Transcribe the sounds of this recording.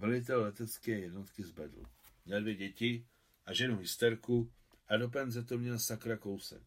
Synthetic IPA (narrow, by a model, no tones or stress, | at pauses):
mɛlit̪̬ɛlːɛt̪ɛt͡skɛjɛd̪nɔt̪kizbɛ̰d̪l̩ | mɲɛd̪ʋjɛɟɛci | aʒɛnuɦist̪ɛɾku | ad̪ɔp̬ɛnzɛt̪ɔmɲɛsakɾakɔʊsɛ̰k